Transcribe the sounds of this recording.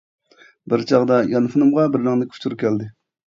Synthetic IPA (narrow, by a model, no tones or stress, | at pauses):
bɪɾt͡ʃʰɑʁd̪ɑjɑnɨfʰɨnɨmʁɑbɪɾnɨŋnɨkʲʰu̥t͡ʃʰuɾukʲʰɛld̪ɪ